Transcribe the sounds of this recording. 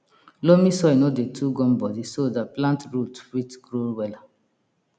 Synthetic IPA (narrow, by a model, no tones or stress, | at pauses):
lomĩsɔjnodetʰuɡɔ̃nbɔdisodaplãntɹutwitɡɾowɛla